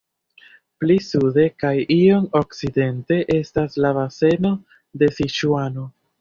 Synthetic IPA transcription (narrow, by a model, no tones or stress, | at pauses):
plisude̞kajio̞nokside̞nte̞ʔe̞staslavase̞no̞ | de̞siʃuano̞